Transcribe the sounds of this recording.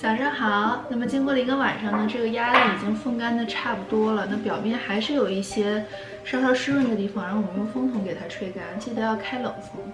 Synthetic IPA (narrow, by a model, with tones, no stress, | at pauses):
t͡ɕjɑ˨˩ʊʂɑ˥ŋxɑ˨˧˩ʊna˥˩mə˩t͡ɕi˥ŋkwɔ˥˩lə˩i˧˥ɡə˧wa˨˩nʂɑ˥˩ŋnə˩ʈ͡ʂɤ˥˩ɡə˩ja˥li˥˩i˨˩t͡ɕi˥ŋfɤ˥˧ŋka˥nd̪ə˨ʈ͡ʂʰa˥˩pu˨˩t̪wɔ˥lə˨na˥˩pjɑ˨˩ʊmjɛ˥˩nxa˧˥ɪʂɻ̩˥˩jo˨˩ʊi˥˩ɕjɛ˥ | ʂɑ˥˧t̪ɑ˥˧ʊʂɻ̩˥ɻwə˥˩nd̪ə˩t̪i˥˩fɑ˨˩ŋɻɑ˥˩ŋ˩wɔ˨˩mə˦˥nə˧fɤ˥ŋt̪ʰʊ˧˥ŋke˨˩ɪt̪ʰa˥ʈ͡ʂʰwe˥˧ɪka˥n˥˩t͡ɕʰi˥˩ə˧˦jɑ˥˩ʊkʰa˥ɪlɤ˨˩ŋt͡s̩˥˩